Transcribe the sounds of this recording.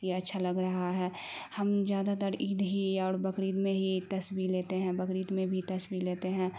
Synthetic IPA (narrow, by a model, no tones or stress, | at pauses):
iɐtːʃʰalɐɡɾɐɦaɦɛːhɐmzjaːd̪at̪əɾiːd̪ɦiɔːɾbɐkɾiːd̪mẽɦit̪ɐsbileːt̪eɦɛ̃bɐkɾiːd̪mẽbʱit̪ɐsbileːt̪eɦɛ̃